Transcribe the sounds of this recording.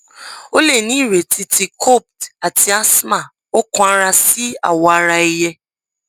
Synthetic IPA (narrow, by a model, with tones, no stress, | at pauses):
o˦le˦˨nĩ˨˦i˦˨ɾe˨tʰi˧ti˧kʰo˦˨p̚ta˨tʰi˧˦a˦sma˦˨ | o˦kɔ̃˦a˦ɾa˧si˦a̰˦˨wɔ˧a˧ɾa˧i˧jɛ˧